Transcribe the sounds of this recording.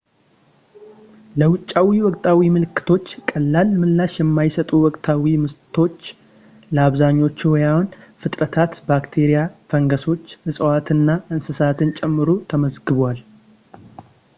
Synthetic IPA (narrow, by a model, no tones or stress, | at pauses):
ləwʊt͡ʃʼːawiwɔkʼt̪ʰʼawimɨlɨkːɨ̥t̪ʰo̞t͡ʃːkʼəlːalmɨlːaʃjɛmːajsət̪ʼuwɔkʼt̪ʰawimɨst̪ʰo̞t͡ʃː | ləaβzaɲːo̞t͡ʃːwɔjahunfɨt̪ʼɾət̪ʰat̪bakt̪ʰeɾijafəŋɡəso̞t͡ʃːɨsʼəwat̪ɨnːaʔɨnsɨsat̪ʰɨnt͡ʃʼɛmːɨɾut̪ʰəməzɡɨβwal